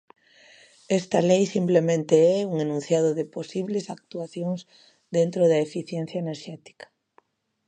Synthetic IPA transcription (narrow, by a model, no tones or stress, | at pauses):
ɛst̪ɐlejsimplemẽnt̪eɛuŋenũn̟θjaðoðɪposiβlesak̚t̪uaθjoŋz | ðent̪ɾoðɐefiθjɛn̟θjaeneɾʃɛt̪i̥kɐ̥